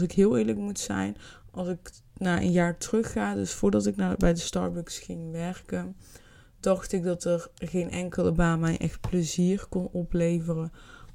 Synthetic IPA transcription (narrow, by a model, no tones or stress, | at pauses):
sɪkɦɪːlˠɪːɹləkmutsɛ̰jnɑlˠsɪk | naːʔə̰njaːɹtrɵxːaːdɵsfʊːɹdɑtɪknaːbɛjdəstɑ̰ːɹbəksxɪŋʋɛɹkən | dɑxtɪk̚dɑtəɹɣejnʔɛŋkələbaːnmɛjʔɛ̰xt̚pləziːrkɔnɔplejvərən